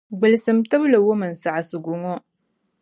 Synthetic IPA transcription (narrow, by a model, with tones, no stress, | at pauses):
ɡʷʊ˨lsɨ˨mtɨ˦blə˨wʊ˦mə˨nsa˨ʕa˨sɨ˨ɡʷu˨ŋo˦